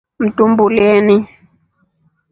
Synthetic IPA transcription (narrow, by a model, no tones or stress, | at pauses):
m̩tumbuleːni